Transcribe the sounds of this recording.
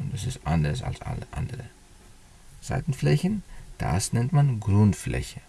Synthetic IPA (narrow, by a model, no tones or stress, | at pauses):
ʊntd̥asɪstʔandəʁsa̰lsʔa̰ləʔa̰ndəʁə | z̥a̰ɪtn̩flɛçən̩d̥a̰snɛntmanɡʁʊntflɛ̰çə